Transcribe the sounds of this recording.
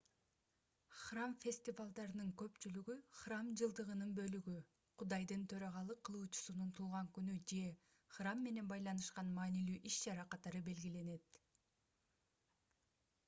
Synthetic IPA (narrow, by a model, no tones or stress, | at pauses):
χramfʲe̞sʲt̪ʲivalˠd̪ɑɾɯnɯŋkø̞pt͡ʃylyɡyχramd͡ʒɯlˠd̪ɯʁɯnɯnbø̞lyɡy | qʰud̪ɑjd̪ɯnt̪ʰø̞ɾɑʁɑlˠɯqʰːɯlˠuːt͡ʃu̥sununt̪ʰulˠʁɑŋkynyd͡ʒe̞ | χramːe̞ne̞nbɑjlˠɑnɯʃqɑnmɑːnilyːʔiʃt͡ʃɑɾɑqɑt̪ɑɾɯbe̞lɡile̞ne̞t̪